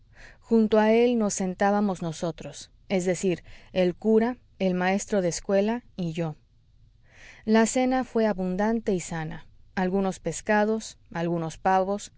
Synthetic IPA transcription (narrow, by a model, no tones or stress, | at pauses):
xunt̪oae̞lno̞sːe̞nt̪aβamo̞zno̞so̞t̪ɾo̞s | e̞zðe̞siɾe̞lkuɾa | e̞lmae̞st̪ɾo̞ðeskwe̞laiʝo̞ | lase̞nafwe̞aβund̪ant̪e̞isanaalɣuno̞spe̞skað̞o̞salɣuno̞spaβo̞s